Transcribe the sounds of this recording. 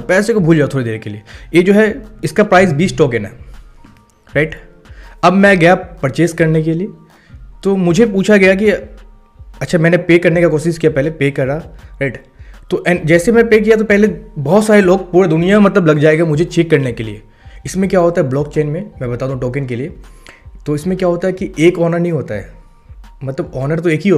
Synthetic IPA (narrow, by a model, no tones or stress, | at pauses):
pɛːsekobʱuːld͡ʒaːt̪ʰoːɾed̪eːɾkeliejed͡ʒoːɦɛɪskapɾaːɪsbiːsʈɔːkenɦɛ̰ | ɾaɪʈ | ɐbmɛ̃ɡɐjapɐɾt͡ʃeːskɐɾnek̬elie | t̪omʊd͡ʒʱepuːt͡ʃʰaɡɐjak̬i | ɐtːʃʰamɛ̃ːnepeːkɐɾnekakɔːsɪʃkijapɛɦlepeːkɐɾaɾaɪʈ | t̪oʔɛ̃ːd͡ʒɛːsemɛ̃peːk̬ijat̪̬opɛɦlebɔɦɔt̪saːɾeloːɡ̚puːɾed̪ʊnijaẽmɐt̪ləblɐɡd͡ʒaːeːɡamʊd͡ʒʱet͡ʃʰɪkːɐɾnekelḭe | ɪsmẽkjaːɦoːt̪aɦɛblɔːk̚t͡ʃeːnmẽmɛ̃bɐt̪aːd̪ũɦũʈɔːk̬ɪnkeliet̪oɪsmẽkjaːɦoːt̪aɦɛkiʔeːkɔːnəɾnɐɦĩɦoːt̪aɦɛ̰ː | mɐt̪ləbɔːnəɾt̪oeːkɦiɦo